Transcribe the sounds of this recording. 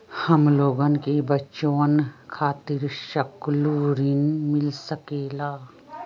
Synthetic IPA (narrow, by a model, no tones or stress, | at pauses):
həmloːɡənkebət͡ʃõːnkʰaːt̪ɪɾʃəkluːɾinmɪlsəkeːlaː